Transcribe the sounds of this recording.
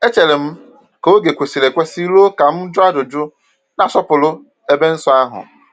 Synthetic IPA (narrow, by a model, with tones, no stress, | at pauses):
e˦t͡ʃe˨lɪ˨m̩˦ | ka˨o˦ɡe˨kʷe˨si˨le˨kʷɛ˦si˦lo˦ka˨m̩˦d͡ʒʊ˦a˦dʊ˨d͡ʒʊ˦ | nã˨sɔ˦pʊ˨lʊ˦ | e˨be˦n̩˦sʊ˦a˦ɦʊ̰˨